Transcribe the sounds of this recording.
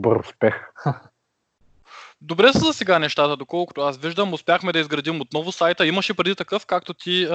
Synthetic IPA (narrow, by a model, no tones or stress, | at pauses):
bəɾʊspɛx | d̪obɾɛsɐzɐsɛɡanɛʃt̪at̪əd̪okɔlˠkʊt̪oʊasviʒd̪əmʊspʲjaxmɛd̪ɐizɡɾɐd̪imot̪̚nɔvʊsajt̪əimɐʃɛpɾɛd̪it̪ɐkɤfkak̚t̪ot̪ʰi